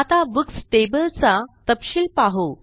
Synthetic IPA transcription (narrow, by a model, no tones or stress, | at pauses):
at̪aʋəksʈebəlt͡sat̪əpɕiːlpaɦo